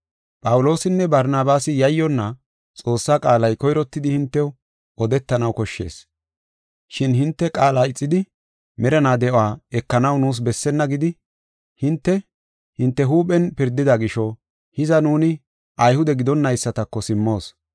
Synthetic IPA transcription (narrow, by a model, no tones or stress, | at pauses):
pʼɐwʊlo̞ːsɪnːɛbɐɾnaːbaːsɪjɐjːɔnːɐ | t͡sʼo̞ːsːaːkʼaːlɐjkɔjɾɔt̪ːɪd̪ɪhɪnt̪ːɛ | ɔd̪ɛt̪ːɐnɐwkɔʃːe̞̰ːs | ʃɪnhɪnt̪ːɛkʼaːlaːɪt͡sʼːɪd̪ɪ | mɛɾɐnaːd̪ɛʔaːɛkːɐnɐwnuːs̬bɛsːɛnːɐɡɪd̪ɪ | hɪnt̪ːɛ | hɪnt̪ːɛɦuːpʼɛnpɪɾd̪ɪd̪ɐɡɪʃɔ | hɪzɐnuːnɪ | ʔɐjhʊd̪ɛɡɪd̪ɔnːɐjsːɐt̪ɐkːɔsɪmːo̞ːs